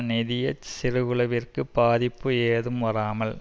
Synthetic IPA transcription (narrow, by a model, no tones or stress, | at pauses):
nɪðɪjɐsɪɾɯɣɯlɐʋɪrkɯbaːðɪpːɯeːðɯmʋɐɾaːmɐl